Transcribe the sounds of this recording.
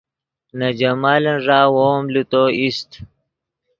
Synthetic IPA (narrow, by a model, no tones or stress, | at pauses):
nɐd͡ʑɐmaːlɐnʐaːwomlut̪oist̪